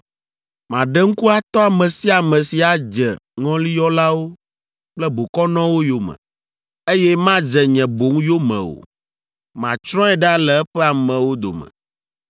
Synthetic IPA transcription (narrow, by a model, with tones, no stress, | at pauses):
mã˨ɖɛ˦ŋ̩˦ku˦a˦t̪ɔ˦a˨mɛ̃˨si˦a˨mɛ̃˨si˨a˨d͡ʒɛ˨ŋɔ̃˦li˦jɔ˦la˦wo˦ | k͡plɛ˦bo˨kɔ˦nɔ̃˦wo˦jo˦mɛ̰̃˨ | e˦jɛ˦mã˦d͡ʒɛ˨ɲɛ̃˨bo˨˦ŋ˦jo˦mɛ̰̃˨o̰˨ | mã˨t͡ʃɾɔ̃˦ɛ˦ɖa˦lɛ˨ɛ˦ɸɛ˦a˨mɛ̃˨wo˦d̪o̰˨mɛ̰̃˨